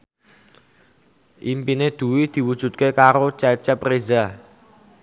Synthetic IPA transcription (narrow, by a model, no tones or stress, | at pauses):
ʔimpined̪̥ṳwid̪̥i̤wud̥ʒ̥ṳt̪̚kekaɾot͡ʃɛt͡ʃɛpreza